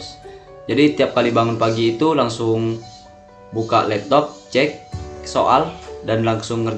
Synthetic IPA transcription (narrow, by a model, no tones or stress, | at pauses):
d͡ʒadit̪iap̚kalibaŋɔnpaɡiːt̪ulaŋsʊŋ | buka̰ʔlɛp̚t̪ɔp̚t͡ʃɛk̚soʔa̰ldanlaŋsʊŋːər